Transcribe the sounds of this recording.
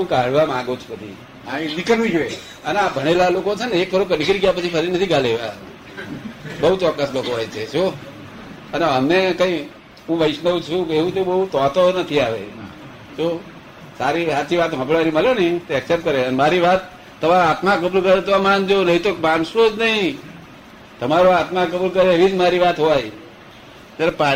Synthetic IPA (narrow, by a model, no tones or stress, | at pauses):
ɦũkaɦɽʋamãɡot͡ʃʰu̥pət̪ʰḭ | aĩnikəlʋũd͡ʒue | əneabʱəɽ̃elalokot͡ʃʰeneekʋəɾõk̬ənikɾiɡjapət͡ʃʰipʰəɾinət̪ʰiɡʱaleʋa | bəɦut͡ʃɔkːəslokoɦɔjt͡ʃʰeʃo | əneəmnekə̃i | ɦũʋəɪʃnəũt͡ʃʰũkeʋũt̪obəɦut̪ɔt̪onət̪ʰiaʋḛ | ʃo | saɾiʋat̪iʋat̪ɦə̃pɭʋaniməljonəĩt̪oɛksep̚ʈ̪kəɾeənemaɾiʋat̪ː | əʋaɾat̪makəbulkəɾet̪oamand͡ʒonəɦĩt̪okbanʃõd͡ʒnəɦĩ | t̪əmaɾoat̪makəbulkəɾeeʋid͡ʒmaɾiʋat̪ɦoj | t̪aɾepa